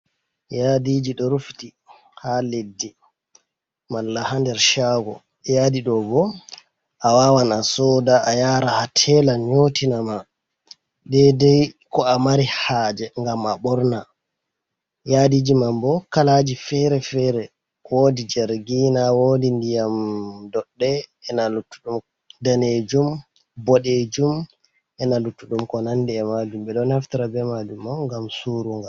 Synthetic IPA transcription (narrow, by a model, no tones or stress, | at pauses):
jadid͡ʒiɗɔɾufti | haledːi | malːahandɛɾʃaɡɔ̰ | jadiɗɔbɔ | ʔawawanasɔdaʔːjaɾahatʰɛlaɲotinama | ɗɛdɛjkɔamaɾihaːd͡ʒɛŋɡamaɓɔɾna | jadid͡ʒimambɔkalad͡ʒifɛɾɛfɛɾɛ | woːdid͡ʒɛɾɡinawoːdindijamdɔɗːɛːnalutːuɗum | daned͡ʒum | bɔɗed͡ʒum | ʔɛnalutːuɗumkɔnandɛːmad͡ʒumbɛɗɔnhaftiɾabɛmad͡ʒumːɔŋɡamsuɾuŋɡa